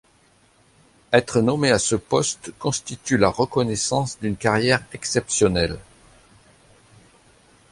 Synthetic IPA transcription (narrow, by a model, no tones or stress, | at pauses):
ɛt̪χənɔmeasəpɔst̪kɔ̃st̪it̪ylaʁəkɔnɛsɑ̃sd̪ynkaʁjɛʁɛksɛpsjɔnɛl